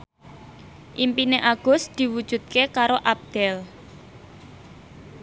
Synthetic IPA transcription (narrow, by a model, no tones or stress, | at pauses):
ʔimpineʔaɡ̥ʊ̤sd̪̥i̤wud̥ʒ̥ṳd̪̚kekaɾoʔab̚d̪̥ɛl